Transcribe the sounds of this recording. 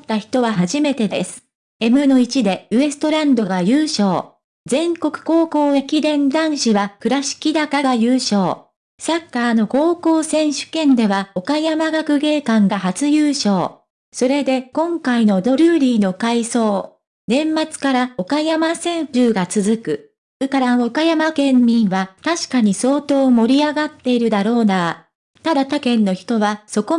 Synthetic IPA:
t̪ːaçi̥t̪o̞βaɦaʑime̞t̪e̞d̪e̞sɨ̥ | e̞mɯ̟no̞it͡ɕid̪e̞ɯ̟e̞sɨ̥t̪o̞ɾãnd̪o̞ɡajɯ̟ːɕo̞ː | zẽ̞ŋko̞kɯ̟̥ko̞ːko̞ːekʲid̪ẽ̞nd̪ãɰ̃ɕiβakɯ̟ɾaɕi̥kʲid̪akaɡajɯːɕo̞ː | sakːaːno̞ko̞ːko̞ːsẽ̞ɰ̃ɕɨ̥kẽ̞nd̪e̞βao̞kajamaɡakɯ̟ɡe̞ːkãŋɡaɦat͡sɨjɯːɕo̞ː | so̞ɾe̞d̪e̞kõ̞ŋkaino̞d̪o̞ɾʲɯːɾʲiːno̞kaiso̞ː | nẽ̞mːat͡sɨ̥kaɾao̞kajamasẽ̞ɰɸɯ̟ːɡat͡sɨzɨkɯ̟ | ɯkaɾaokajamakẽ̞mːʲĩɰ̃βat̪aɕi̥kaɲ̟iso̞ːt̪o̞ːmo̞ɾʲiaɡat̪ːe̞iɾɯ̟d̪aɾo̞ːna | t̪ad̪at̪akẽ̞nːo̞çi̥t̪o̞βaso̞ko̞

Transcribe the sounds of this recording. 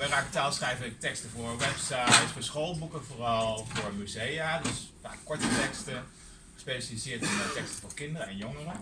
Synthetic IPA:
ʋɛrakətaːlˠsχrɛjvəɪk̚tɛkstəfoɹʋɛpsajsfoːsxoːlˠbukənfoːrɔlˠfʊəɹmyzejadɪspa̰ːkɔɹtətɛkstə | speːsəlisɪətənətɛkstəfoːkɪndəɾəɛnjoŋərə

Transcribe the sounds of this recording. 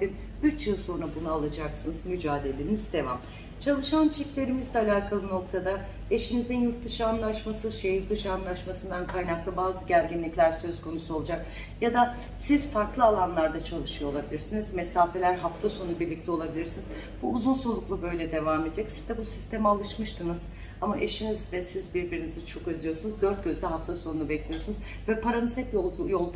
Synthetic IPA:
b̪in | yt͡ʃjɯlˠso̞nɾabunaalˠad͡ʒaksɯnɯzmyd͡ʒaːd̪e̞lʲenizd̪e̞vam | t͡ʃʰalˠɯʃant͡ʃʰɛclʲe̞ɾimizd̪ʲɛalʲaːkʰalˠɯno̞k̚t̪ʰad̪a | eʃimizinjuɾt̪d̪ɯʃɯanlˠaʃmasɯʃejuɾt̪d̪ɯʃɯanlˠaʃmasɯnd̪ankʰajnaklˠɯbaːzɯɟæɾɡɟinlʲiclʲæɾsø̞zkʰo̞nusuo̞lˠud͡ʒak | jad̪a | sizfaɾklˠɯalˠanlˠaɾd̪at͡ʃʰalˠɯʃɯjolˠabilʲiɾsinizmesaːfe̞lʲæɾɦaft̪ʰaso̞nnubiɾlʲic̚t̪ʰɛo̞lˠabilʲiɾsiniz | buːzunso̞lˠuklˠubø̞jlʲɛd̪e̞vaːmed̪ed͡ʒɛcsiz̥d̪ɛbusi̥st̪ʰe̞mɛalˠɯʃmɯʃt̪ʰɯnɯz̥ | amaʔeʃinizvɛsizbiɾbiɾinizit͡ʃʰo̞køzijo̞sunuzd̪øɾt̪̚ɟø̞zd̪ɛɦaft̪ʰaso̞nunubɛclʲijo̞sunuz | vɛpʰaɾanɯsɛk̪jojolˠd̪

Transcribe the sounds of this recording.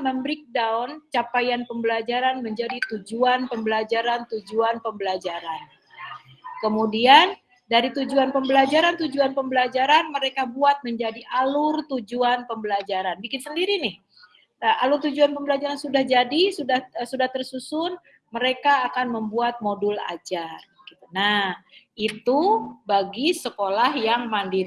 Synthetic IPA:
məmbɾɪk̚daɔnt͡ʃapajanpəmbəlad͡ʒaɾanməɲd͡ʒadit̪ud͡ʒuanpəmbəlad͡ʒaɾant̪ud͡ʒuanpəmbəlad͡ʒaɾan | kəmudian | daɾit̪ud͡ʒuanpəmbəlad͡ʒaɾant̪ud͡ʒuanpəmbəlad͡ʒaɾanməɾekabuat̪̚məɲd͡ʒadiʔalʊrt̪ud͡ʒuanpəmbəlad͡ʒaɾanbikɪnsəndiɾinɪh | əalʊrt̪ud͡ʒuanpəmbəlad͡ʒaɾansudahd͡ʒadisudahsudaht̪ərsusʊn | məɾekaːkanməmbuat̪̚modula̰d͡ʒar | kit̪unahit̪ubaɡisəkolahjaŋmandi

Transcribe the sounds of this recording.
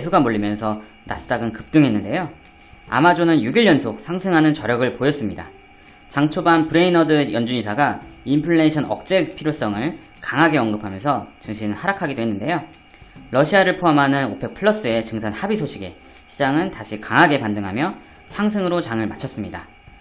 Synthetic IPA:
esʰuɡamoʎːimjʌnsʰʌ | na̰s͈t͈aɡɯnkɯp̚t͈ɯŋɦe̞nːɯnde̞jo | a̰mad͡ʑonɯnjuɡiɭjʌnsʰosʰaŋsʰɯŋɦanɯnt͡ɕʌɾjʌɡɯɭpojʌs͈ɯmɲida̰ | t͡ɕaŋt͡ɕʰobanpɯɾe̞inʌdɯjʌnd͡ʑuɲisʰaɡaimpʰɯɭːe̞ɕʰʌnʌk̚t͡ɕ͈e̞pʰiɾjos͈ʌŋɯɭ | kaŋɦaɡe̞ʌŋɡɯpʰamjʌnsʰʌt͡ɕɯŋɕʰinhaɾakʰaɡidoɦe̞nːɯnde̞jo | ɾʌɕʰiaɾɯɭpʰoɦamɦanɯnopʰe̞k̚pʰɯɭːʌs͈ɯe̞t͡ɕɯŋsʰanhabisʰoɕʰiɡe̞ | ɕʰid͡ʑaŋɯntaɕʰikaŋɦaɡe̞pandɯŋɦamjʌ | sʰaŋsʰɯŋɯɾot͡ɕaŋɯɭmat͡ɕʰʌs͈ɯmɲida̰

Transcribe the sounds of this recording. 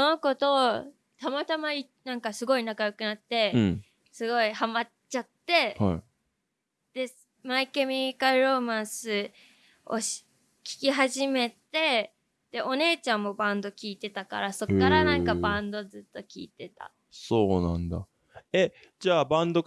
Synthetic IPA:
oko̞t̪o̞ | t̪amat̪amai | nãŋkasɨɡo̞inakajokɯ̟nat̪ːẽ̞ | sɨɡo̞ihama | t͡ɕat̪ːe̞ha̰ | d̪̥e̞ | maikemʲikaɯ̟ɾo̞mãɰ̃sɨ | o̰ɕ | kʲi̥kʲiɦaʑime̞t̪e̞ | d̪̥e̞ʔo̞ne̞ːt͡ɕãmːo̞bãnd̪o̞kʲiːt̪e̞t̪aka̰ɾaso̞kːaɾanãŋkabãnd̪o̞zɨt̪ːo̞kʲḭːt̪e̞t̪a̰ | soːnã̰nd̪a̰ | e | d͡ʑaːbãnd̪o̞

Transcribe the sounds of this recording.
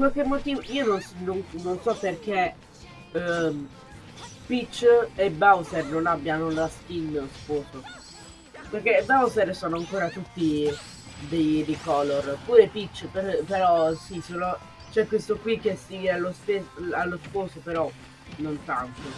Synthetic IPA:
kwalk̟emːot̪iːvoiːononsnonnonsɔpːerk̟e | pit͡ʃːebawzɛrnonabjanolask̪inːlospoːso | perk̟ebawzɛrsoːnoaŋkoːɾat̪ut̪ːi | d̪ejd̪ekɔlːorpuːɾepit͡ʃːpepeɾɔsisoːno | t͡ʃɛkːwest̪okwik̟ːest̪iɡealːost̪esalːospoːsopeɾɔ | nont̪ant̪o

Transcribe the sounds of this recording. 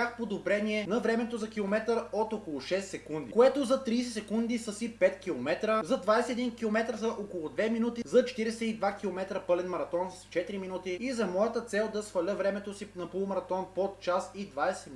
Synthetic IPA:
axpod̪obɾɛniɛnɐvɾɛmɛt̪ozɐkilˠomɛt̪əɾot̪okolˠʊʃɛst̪sɛkund̪ḭkoɛt̪ozɐt̪ɾiːs̬ɛsɛkund̪isəsipɛt̪kʲilˠomɛt̪ɾəzɐd̪vajsɛt̪ɛd̪inkilˠomɛt̪ɾsɐʔokolˠʊd̪vɛminut̪izɐt͡ʃɛ̥t̪iɾɛsɛid̪vak̟ilˠomɛt̪ɾəpɤlɛnmɐɾɐt̪ɔnsst͡ʃɛt̪iɾiminut̪iizɐmɔjət̪ət̪sɛlˠd̪ɐsfɐlʲəvɾɛmɛt̪osinɐpolˠmɐɾɐt̪ɔnpot̪t͡ʃasid̪vajsɛmi

